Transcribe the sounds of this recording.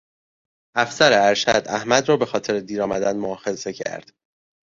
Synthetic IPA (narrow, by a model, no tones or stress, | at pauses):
ʔæfsæɾeæɾʃæd̪æhmæd̪rɒːbe̞xɒːt̪ʰe̞ɾed̪iːɾɒːmæ̰d̪ænmoɒːxe̞ze̞cʰæ̰ɾd̪̥